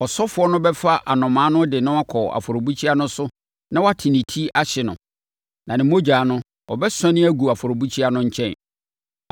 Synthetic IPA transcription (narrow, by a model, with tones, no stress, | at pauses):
ɔ˨sɔ˦fʊ˦ɔ˦nʊ̃˦bɛ˦fa˦ʔa˨nɔ̃˨mãː˨˦nʊ̃˦dɪ˨nʊ̃˦a˦kʰɔ˨a̰˨fo˨ɾo˨bu˦t͡ɕʰi˦a˦nʊ̃˦sʊ˦ | nã˦wɔ˦a˦tʰɪ˨nĩ˨tʰi˦a˦ɕɪ˨nʊ̃˨ | nã˨nɪ̃˨mo˦d͡ʑaː˨nʊ̃˦ | ɔ˨bɛ˦sɛ̃˦nɪ̃˦æ˦ɡu˨a˨fʊ˨ɾo˨bu˦t͡ɕʰi˦a˦nʊ̃˦ɲ̩˦t͡ɕʰɛ̃˦˨n